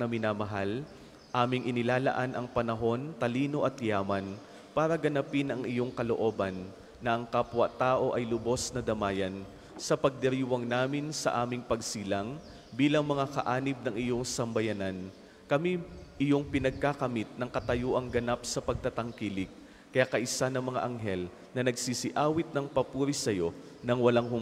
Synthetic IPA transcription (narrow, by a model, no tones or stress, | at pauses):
ɐmɪnaːmɐɦal | ʔaːmɪŋʔɪnɪlaːlɐ̰ʔanʔɐŋpɐnɐɦo̞nt̪ɐliːno̞ʔɐt̪jaːmɐn | paːɾɐɡɐnapɪnɐŋɪjo̞ŋkɐlo̞ʔo̞ːbɐnː | ɐʔɐŋkapwɐt̪aːʔo̞ʔɐjlʊbo̞snɐd̪ɐmaːjɐn | sɐpɐɡ̚d̪ɛɾiːwɐŋnaːmɪnsɐ̰ʔaːmɪŋpɐɡsiːlɐŋ | biːlɐŋmɐŋakɐ̰ʔaːnɪb̚nɐŋɪjo̞ŋsɐmbɐjanan | kɐmiʔɪjo̞ŋpɪnɐɡ̚kakɐmit̪̚nɐŋkɐt̪ɐjoːʔɐŋɡɐnap̚sɐpɐɡ̚t̪at̪ɐŋkilɪk̚ | kɐjakɐʔɪsanɐŋmɐŋa̰ʔɐŋɦɛl | nɐnɐɡsisɪʔaːwɪt̪̚nɐŋpɐpuːɾisɐjo̞ | nɐŋwɐlaŋɦʊ